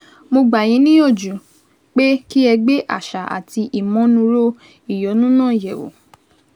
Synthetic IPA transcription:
mo˧ɡ͡ba˨j̃ĩ˨˦nĩ˦o˦˨d͡ʒu˨ | k͡pe˦ki˦ɛ˧ɡ͡be˦ʔa̰˦˨ʃa˨a̰˨ti˧ʔi˨mɔ̃˨˦nũ˧˦ɾo˦ | i˨jɔ˨˦nũ˦nãː˦˨jɛ˨wo̰˨

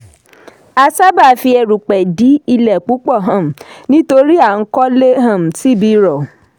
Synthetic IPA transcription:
a˧sa˦ba˦˨fi˧ɛ˧˨ɾu˨k͡pɛ˨di˨˦i˧lɛ˨k͡pu˨˦k͡pɔ˦˨ɦã˨m̩˨nĩ˦to˧ɾi˦a˦˨ŋ̩˦kɔ˦le˦ɦã˦˨m̩˨ti˨˦bi˧ɾɔ˨

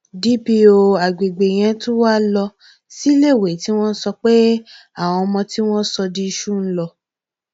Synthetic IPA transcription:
di˦pi˧o˨a˨ɡ͡be˨ɡ͡be˨j̃ɛ̃˧tũ˦wa˦lɔ˧ | si˦le˦˨we˨˦ti˦w̃ɔ̃˦n̩˦sɔ˧k͡pe˦ | a˦˨w̃ɔ̃˧mɔ̃˧ti˦w̃ɔ̃˦sɔ˧di˦i˧ʃu˦˨n̩˦lɔ˧

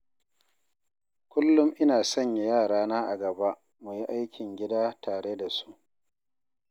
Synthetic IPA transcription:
kʷʊ˦lːʊ˦mʔɪ˦naː˨sɐ˦˨ɲja˨jaː˦˨ɽaː˦naː˦ʔa˨ɡɐ˨ba˦ | mu˨ji˦ʔa˦jkʲɪ˨ŋɡʲɪ˦daː˦taː˨ɽe˦da˨su̥˦ʔ

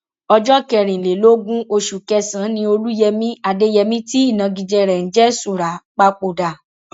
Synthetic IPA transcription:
ɔ˧d͡ʒɔ˦kɛ˨ɾ̃ĩ˨le˨lo˦ɡũ˦o˧ʃu˨kɛ˧sã˨˦nĩ˧o˧lu˦jɛ˧mĩ˦a˧de˦jɛ˧mĩ˦ti˦i˦˨nã˨˧ɡĩ˧d͡ʒɛ˧ɾɛ˨n̩˨˦d͡ʒɛ˦su˨ɾa˨˦k͡pa˦k͡po˨da˨

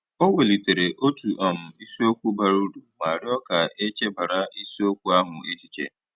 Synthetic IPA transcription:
o˦we˨li˨te˨ɾe˨ʔo˦tu˨ʔɔ˨m̩˨i˦si˦o˦kʷu˦ba˨ɾu˦du˨ma˨ɾɪ˦ɔ˦ka˨e˦t͡ʃe˦ba˨ɾa˦i˦si˦o˦kʷu˦a˦ɦʊ˨e˦t͡ʃi˨t͡ʃḛ˨

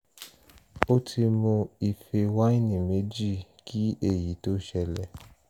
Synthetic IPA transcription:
o˦tʰi˧mõ˧i˨fe˧wa˦i˦˨nĩ˨me˨˦d͡ʒi˦˨ | kʰi˦e˦˨ji˨˦to˦ʃɛ˧lɛ˧˨

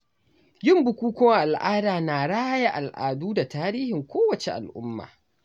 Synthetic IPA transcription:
jɪ˦mbʊ˨kʷuː˦kɔ˦ŋʔa˨lʔaː˦daː˨naː˨ɽaː˦ja˦ʔa˨lʔa̰ː˨duː˦da˨taː˦ɾiː˦hɪ˨ŋkʷoː˦wɐ˨t͡ʃe˦ʔa̰˨lʔʊ̰˦mːa̰ː˨

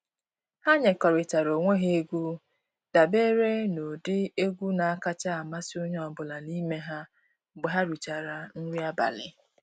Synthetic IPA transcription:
ha˦ɲe˨kɔ˨ɾɪ˨t͡ʃa˨ɾo˨ŋʷe˦ɦe˦e˦ɡʷu˦ | d̥a˨be˦ɾe˦no˨dɪ˦e˦ɡʷu˦na˨a˦ka˦t͡ʃa˦a˨ma˦sɪ˦ʊ˦ɲ˦ɔ˨bʊ˨la˨ni˦me˦ɦa˦ | ɡ͡be˨ɦa˦ɾu˨t͡ʃa˨ɾa˨n̩˦ɾi˦a˦ba̰˨lɪ̰˨

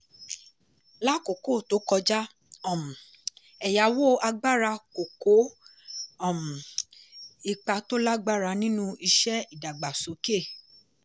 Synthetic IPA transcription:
la˦ko˨ko˦˨to˨˦kɔ˧d͡ʒa˦ | ɔ̃˨m˨ | ɛ˨ja˨˦wo˦a˧ɡ͡ba˦ɾa˧ko˨ko˨˦ | ɔ˨mu˨ | i˨k͡pa˧to˦la˦ɡ͡ba˦ɾa˧nĩ˦nũ˦i˧ʃɛ˦i˦˨da˨ɡ͡ba˨so˨˦ke˦˨

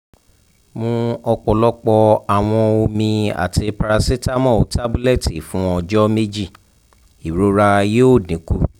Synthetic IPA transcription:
mũ˧ɔ˧k͡pɔ˨lɔ˦k͡pɔ˧a˨w̃ɔ̃˧o˧mĩ˧a̰˨tʰi˧pa˧ɾa˧si˦ta˦mɔ̃˦˨o˨tʰa˦bu˦lɛ˦˨ti˨fũ˦ɔ˧d͡ʒɔ˦me˦d͡ʒi˦˨ | i˨ɾo˦ɾa˧je˦o˦˨dĩ˨˦ku˦˨

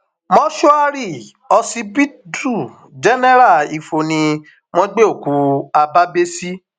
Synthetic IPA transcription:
mɔ̃˦ʃo˦a˦ɾi˦˨ | ɔ˧si˧pi˦tʰu˦˨ | d͡ʒɛ˦nɛ˦ɾa˦˨i˧fo˧nĩ˧ | m̃ɔ̃˦ɡ͡be˦o˦˨ku˨˦a˧ba˦be˦si˦

